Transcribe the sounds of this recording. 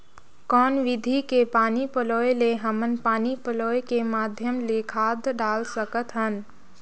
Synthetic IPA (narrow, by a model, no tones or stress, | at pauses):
kɔːnʋɪd̪ʱikepaːnipəloːeleɦəmənpaːnipəloːekemaːd̪ʱjəmlekʰaːd̪ʱɖaːlsəkət̪ɦən